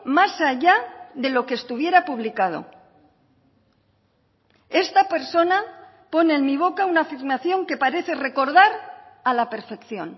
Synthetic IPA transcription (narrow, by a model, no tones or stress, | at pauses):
masaʝaðe̞lo̞keːst̪uβje̞ɾapuβlikað̞o̞̰ | e̞st̪ape̞ɾso̞na | po̞neːnmiβo̞kaunaːfiɾmaθjo̞ŋke̞paɾe̞θe̞re̞ko̞ɾðaɾalape̞ɾfe̞kθjo̞̰n